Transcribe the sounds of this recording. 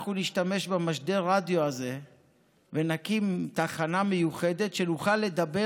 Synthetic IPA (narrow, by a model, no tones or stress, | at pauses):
χuniʃtame̞ʃbemaʃde̞ʁadjoaze̞ | venakimt̪aχanamejuχe̞de̞tʃe̞nuχalːe̞d̪abe